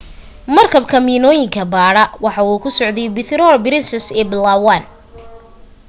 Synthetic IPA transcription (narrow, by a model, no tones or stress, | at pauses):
mɐrkʰɐbkʰɐmiːnɔːjɪŋkʰɐbaːɽɐwɑħɑuːkʰʊsɔʕd̪ɛjbɪt̪ʰɾɔrbɪɾɪsɐsɛːblawan